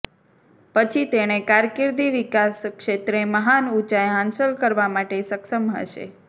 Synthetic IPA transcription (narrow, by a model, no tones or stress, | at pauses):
pət͡ʃʰit̪eɽ̃ekaɾkɪɾd̪iʋikaskʃet̪ɾeməɦanut͡ʃajɦãnsəlkəɾʋamaʈesəkʃəmɦə̰ʃḛ